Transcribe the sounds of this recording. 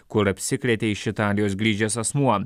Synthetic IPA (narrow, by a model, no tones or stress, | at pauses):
kʊɾɐpʲsʲɪklʲɛt̪ʲeːɪʃʲɪt̪ɑːlʲɪjoːsɡɾʲiːd͡ʒʲɛsɐsmuɐ